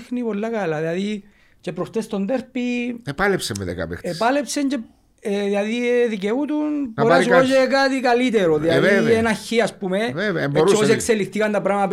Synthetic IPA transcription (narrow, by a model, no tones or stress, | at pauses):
xnipo̞lːɐkɐlɐðilɐði | ce̞pɾost̪est̪o̞nd̪eɾpiepalepsemḛðḛka̰pḛepɐlepse̞ɲce | eðilɐðiðiceut̪unpoɾasod͡ʒekat̪ikɐlit̪eɾoðilɐðienɐçːiɐspumeevɐoɾoos̬ekselːixt̪ikɐnt̪ɐpɾɐɣmɐɐp